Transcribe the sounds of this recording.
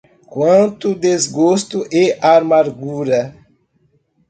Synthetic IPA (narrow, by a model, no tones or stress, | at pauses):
kwɐ̃nt̪ʊd̪ezɡost̪ʊʔeʔaɾmaɾɡuɾɐ